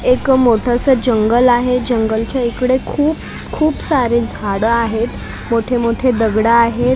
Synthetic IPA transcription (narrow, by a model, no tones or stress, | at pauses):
ekmoʈʰasəd͡ʑəŋɡəlaɦed͡ʑəŋɡəlt͡ɕaikɽekʰuːp̚ | kʰuːpsaɾeːd͡zʱaɽəaɦet̪ | moʈʰemoʈʰed̪əɡɽaːɦe